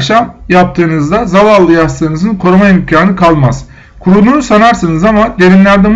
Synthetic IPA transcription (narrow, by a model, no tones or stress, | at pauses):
ʃamjap̚t̪ʰɯːnɯzd̪azavalˠːɯjast̪ɯːnɯzɯnkʰo̞ɾumajimycʰaːnɯkʰalˠmaz̥ | kʰuɾud̪uːnusanaɾsɯnɯzamad̪e̞ɾinlʲæɾd̪ɛm